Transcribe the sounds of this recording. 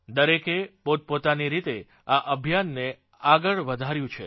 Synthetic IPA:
d̪əɾekepot̪̚pot̪aniɾit̪e | aʔəbʱjanːe | aɡəɭʋəd̪ʱaɾjũt͡ʃʰḛ

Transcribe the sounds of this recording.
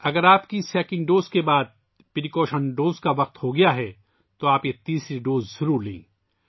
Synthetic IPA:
ɐɡəɾaːpkisɛːkɪ̃nɖoːzkebaːd̪̚ | pɪɾikoːʃənɖoːzkaʋɐq̚t̪hoɡɐjaɦɛ | t̪oaːpjet̪iːsɾiɖoːzːɐɾuːɾlẽĩː

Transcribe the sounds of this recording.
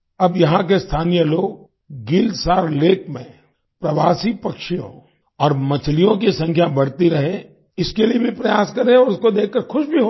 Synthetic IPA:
ɐbjɐɦãk̬est̪ʰaːnijəloːɡ̚ | ɡɪlsaːɾleːkmẽ | pɾɐʋaːsipɐkʃijõ̰ | ɔːɾmɐt͡ʃʰlijõk̬isɐ̃ŋkʰjabɐɽt̪iɾɐɦe | ɪskeliebʱipɾɐjaːskɐɾẽɔːɾʊskod̪eːkʰːəɾxʊʃbʱiɦo

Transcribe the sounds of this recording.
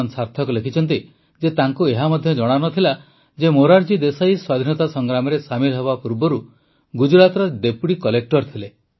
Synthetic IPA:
nsaɾt̪ʰɔkulekʰit͡ʃʰɔnt̪̬i | d͡ʒet̪aŋkueɦamɔd̪ʱjɔd͡ʒɔɽ̃anɔt̪ʰila | d͡ʒemoɾaɾd͡ʒid̪esajswad̪ʱinɔt̪asɔŋɡɾamɔɾesamilɦɔβapuɾbɔɾu | ɡud͡ʒuɾat̪ɾɔd̪epuɽikɔlek̚ʈɔɾt̪ʰile

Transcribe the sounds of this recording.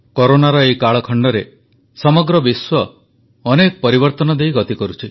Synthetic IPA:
koɾonaɾɔekaɭɔkʰɔɳɖɔɾe | sɔmɔɡɾɔbiswɔː | nekɔpɔɾibɔɾt̪ɔnɔd̪ejɡɔt̪ikɔɾut͡ʃʰi

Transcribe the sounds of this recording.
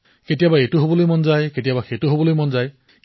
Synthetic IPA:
ketijabaejtuɦobɔlojmɔnzajketijabaxetuɦobɔlojmɔnzaj

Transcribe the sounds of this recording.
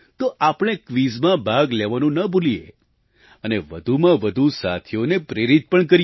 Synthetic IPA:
t̪oʔapɽ̃ekʋizmãbʱaɡlɛʋanũnəbulijḛ | əneʋəd̪ʱumãʋəd̪ʱusat̪ʰjonepɾeɾit̪̚pəɳkəɾ

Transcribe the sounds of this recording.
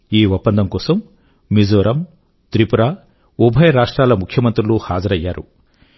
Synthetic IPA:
iːʋɐpːɐnd̪ɐmkɔːsɐmː | id͡ʒoːɾʔɐm | t̪ɾipuɾaː | ubʱɐjɐɾaːʂʈɾaːlɐmukʰjɐmɐnt̪ɾuluhaːd͡ʒɐɾɐjːaːɾu

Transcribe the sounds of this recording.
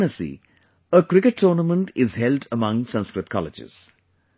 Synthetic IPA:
nəsḭ | əkɾɪkəʈʰːɔːnəmə̃nʈɪzhɛlɖəmʌ̃ŋsʌ̃nskɾɪt̪̚kʰɔ̰lɪ̰d͡ʒɪ̰z̥

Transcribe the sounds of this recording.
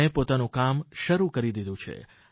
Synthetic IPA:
epot̪anũkamʃəɾukəɾid̪id̪ũt͡ʃʰḛ

